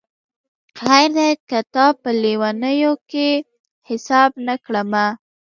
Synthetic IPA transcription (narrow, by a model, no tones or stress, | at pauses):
ajɾd̪ajkat̪ɑpəliwanəjoke | hɪsɑbnakɽəma